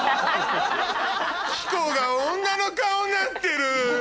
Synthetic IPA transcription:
ɕi̥koːɡaõŋɡanokaonat̪ːe̞ɾɯ̟

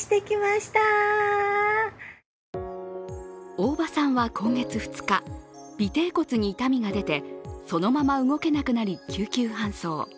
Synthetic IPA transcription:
i̥t̪e̞kʲimaɕi̥t̪a | o̞ːbasãɰ̃βakʰõ̞ŋɡe̞t͡sɨɸɯ̟̥t͡sɨ̥ka | b̥ʲit̪e̞ːko̞t͡sɨɲ̟iːt̪amʲiɡad̪e̞t̪e̞so̞no̞mamaɯɡo̞ke̞nakɯ̟naɾʲikʲʰɨːkʲɨːɦãɰ̃so̞ː

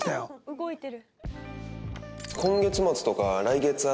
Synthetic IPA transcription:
t̪ajoɯɡoit̪eɾɯ | kʰõ̞ŋɡe̞t͡sɨmat͡sɨ̥t̪o̞kaɾaiɡe̞t͡sɨa

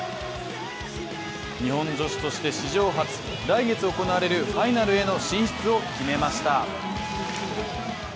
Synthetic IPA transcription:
ɲiɦõ̞nd͡ʑo̞ɕi̥t̪o̞ɕi̥t̪e̞ɕiʑo̞ːɦat͡sɨ̥ | ɾaiɡe̞t͡sɨoko̞naaɾe̞ɾɯ̟ɸainaɾɯ̟e̞no̞ɕĩɰ̃ɕi̥t͡sɨo̞kʲime̞maɕi̥t̪a

